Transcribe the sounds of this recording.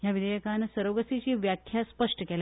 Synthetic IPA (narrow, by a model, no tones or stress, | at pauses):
jaʋid̪əjəkansəɾoʋɡəsit͡ɕiːʋjakʰjaspəʂʈəkɛla